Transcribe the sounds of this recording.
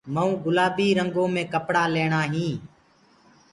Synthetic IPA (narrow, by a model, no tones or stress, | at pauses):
məũːɡʊlaːbiːɾəŋɡõːmẽːkəpɽaːleːɳaːɦĩː